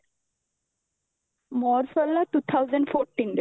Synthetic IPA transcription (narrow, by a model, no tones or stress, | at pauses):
mɔːɾsəllaʈuːt̪ʰaʊzə̃ɳɖfɔːɾʈːĩːnd